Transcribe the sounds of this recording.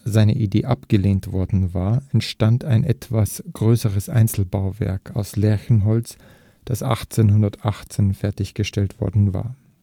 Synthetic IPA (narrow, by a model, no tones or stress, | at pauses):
zaɪnə̰ʔideːʔapɡ̥əleːntv̥ɔɐdn̩vaːɐɛntʃtantaɪnʔɛtv̥asɡ̥ʁøːsəʁəsʔa̰ɪnt͡sl̩baʊvɛ̰ɐkʰaʊslɛɐçn̩ɦɔls | d̥asʔa̰χt͡seːnhʊndɐtʔaχt͡seːnfɛɐtɪçɡ̥əʃtɛltv̥ɔ̰ɐdn̩va̰ːɐ